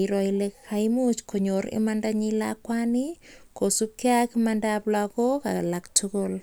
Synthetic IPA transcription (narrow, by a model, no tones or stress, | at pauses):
iɾoilekhaimut͡ʃkʰoɲoɾḭmandaɲila̰kwanikosup̚keakimandaplakoka̰lak̚tʰʊkol